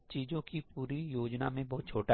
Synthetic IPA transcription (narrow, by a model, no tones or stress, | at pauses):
t͡ʃiːzõkipuːɾijoːd͡ʒnamẽbɔːt̪̚t͡ʃʰoːʈa